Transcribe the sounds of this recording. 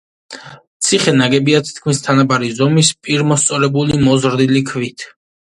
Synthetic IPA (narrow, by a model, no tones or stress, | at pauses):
t̪sʰiχɛnaɡɛbiat̪ʰi̥t̪̚ʰkʰmist̪ʰanabaɾizɔmispʼiɾmɔst̪sʼɔɾɛbulimɔzɾd̪ilikʰvit̪ʰ